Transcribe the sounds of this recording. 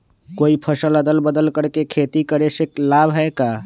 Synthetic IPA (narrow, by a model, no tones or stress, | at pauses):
koipʰəsələd̪əlbəd̪əlkəɾkekʰet̪ikəɾeseklabɦɛeka